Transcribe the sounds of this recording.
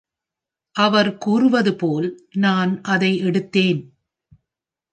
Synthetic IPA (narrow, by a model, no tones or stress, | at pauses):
ʔɐʋɐɾkuːrɯʋɐðɯpoːlnaːnʔɐðɐɪɛɽɯt̪ːeːn